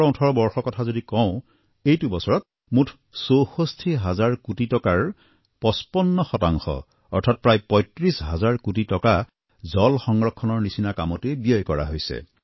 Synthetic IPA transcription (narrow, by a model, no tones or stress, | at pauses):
ɹɔũtʰɔɹɔbɔɹxɔkɔtʰazodikɔʊ̃ | ejtubɔsɔɹɔt̚ | mutʰ | sowxostʰiɦazaɹkutitɔkaɹ | pɔspɔnːɔxɔtaŋxɔ̰ | ɔɹtʰat̚pɹajpɔjtɹisɦazaɹkutitɔka | zɔlxɔŋɹɔkʰːɔnɔɹnisinakamɔtebijɔjkɔɹa̰ɦojsɛ̰